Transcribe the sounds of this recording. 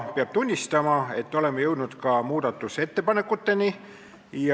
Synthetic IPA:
peɑb̥̚t̪unʲːist̪ɑmɑe̞t̪ːo̞le̞mːejɤ̞wd̪nud̪̥kɑmuːd̪̥ɑt̪ːˑuse̞t̪ːe̞pɑne̞kːˑut̪ːe̞ni | j

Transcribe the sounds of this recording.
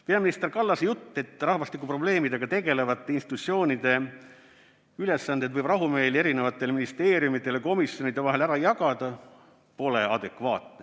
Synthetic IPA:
pe̞ɑminist̪e̞rkɑlːɑsejut̪ːe̞t̪ːrɑhvɑst̪ikːˑupro̞ble̞ːmid̪e̞ɡ̥ɑt̪e̞ɡe̞le̞vɑt̪ːˑeinsit̪ut̪sio̞ːnid̪̥e̞ | yle̞sːɑnd̪ed̪vɤjb̥rɑɦumeːlie̞ɾine̞vɑt̪ːˑe̞lminist̪e̞ːɾjumit̪ˑːe̞lko̞misjo̞nid̪̥e̞vɑɦe̞læɾɑjɑɡɑd̪ɑ | po̞le̞ɑ̰d̪e̞kvɑ̰ːt̪ne

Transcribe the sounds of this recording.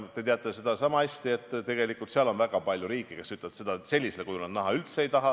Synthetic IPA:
t̪e̞t̪eɑt̪ːˑese̞d̪̥ɑsɑmɑɑsʲt̪ie̞t̪ˑːt̪ːe̞ɡ̥e̞likːˑult̪seɑlo̞nvæɡ̥ɑpɑlʲjuɾiːkːˑike̞syt̪lɑt̪se̞d̪̥ɑse̞lʲːise̞lekujunɑd̪nɑɦɑylt̪seejt̪ɑɦɑ

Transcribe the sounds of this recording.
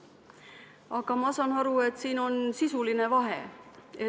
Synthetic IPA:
ɑkɑmɑsɑnɑɾue̞t̪siːno̞nsisuline̞vɑɦee

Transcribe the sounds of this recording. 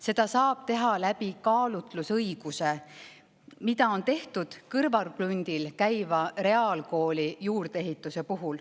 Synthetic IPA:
se̞d̪̥ɑsɑːb̥̚t̪e̞ɦɑlæb̥ikɑːlut̪ˑlusɤjɡ̥use̞ | mid̪̥ɑo̞nt̪e̞ht̪ud̪̥kɯrvɑrb̥lunʲd̪̥ilkæjvɑre̞ɑːlko̞ːlijuːrd̪̥ee̞ɦit̪ˑːuse̞puɦul

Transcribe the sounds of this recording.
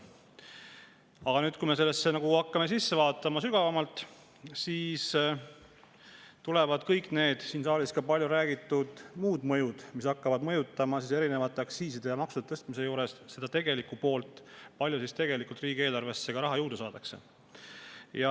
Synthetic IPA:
ɑɡ̥ɑnyːd̪̚kujme̞se̞lːe̞sːe̞nɑɡuɑkːɑmesisːe̞vɑːt̪ːˑɑmɑsyɡ̥ɑvɑmɑlt̪ˑ | siːs | t̪ule̞vɑd̪̥kɤjkˑne̞ːd̪̥siːnsɑːlʲiskɑpɑlʲjuɾæːɡ̥it̪ːˑud̪̥muːd̪mɤjud̪̥misɑkːɑvɑd̪mɤjut̪ːˑɑmɑsise̞ɾine̞vɑt̪ːˑe̞ɑksiːsid̪̥e̞jɑmɑksud̥̪et̪ɤst̪mise̞juːɾe̞sse̞d̪̥ɑt̪e̞ɡe̞likːupo̞ːlt̪ːˑpɑlʲjusist̪e̞ɡ̥e̞likːˑult̪riːɡ̥ie̞ːlɑrve̞sːe̞ɡ̥ɑɾɑɦɑjuːd̪̥esɑːd̪ɑkse̞̰ | jɑ

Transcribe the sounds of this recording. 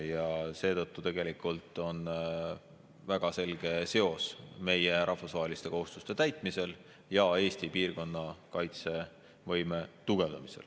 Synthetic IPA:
jɑse̞ːt̪ɤt̪ːut̪e̞ɡ̥e̞likːˑult̪ːˑo̞n | væɡ̥ɑse̞lɡ̥e̞se̞o̞sme̞je̞ɾʔɑhfusvɑɦe̞list̪e̞ko̞hust̪ust̪e̞t̪æjt̪ˑmise̞l | jɑe̞ːsʲt̪ipiːrko̞nːɑkɑjt̪se̞ | vɤ̞jme̞t̪uɡ̥e̞vd̪ɑmise̞̰l

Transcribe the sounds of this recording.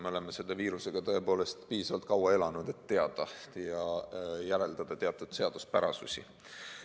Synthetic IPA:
meole̞meselːeviːɾuse̞ɡ̥ɑt̪ɤe̞po̞ːle̞st̪piːsɑvɑlt̪kɑwɑe̞lɑnud̪̥e̞t̪ːe̞ɑd̪̥ɑjɑjæɾe̞ld̪̥ɑd̪̥ɑt̪e̞ɑt̪ːˑud̪̥se̞ɑd̪̥uspæɾɑsusʲḭ

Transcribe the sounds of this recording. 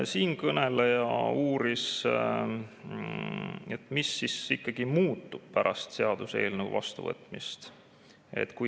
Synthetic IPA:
siːnkɤnelejɑuːɾis | et̪misːisikːɑɡ̥imuːt̪ːub̥̚pæɾʔɑst̪se̞ɑd̪̥use̞ːlnəṵvɑ̰st̪uvɤ̰t̪ːˑmist̪ | e̞̰t̪ːku

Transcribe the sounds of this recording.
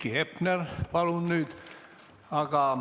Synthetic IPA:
kːihepnerpɑlunnyːˑt̪ | ɑkɑːˑ

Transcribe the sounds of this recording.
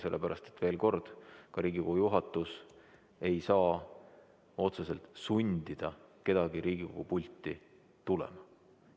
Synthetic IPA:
se̞lːḛpæɾʔɑst̪et̪ve̞ːlko̞rd̪̥kɑɾiːɡiko̞ɡ̥ujuɦɑt̪ːˑus | e̞jsɑː | o̞t̪sese̞lt̪sunʲd̪̥id̪̥ɑke̞d̪̥ɑɡiɾiːɡ̥iko̞̰ɡ̥upulʲt̪ːˑi | t̪ulḛmɑ

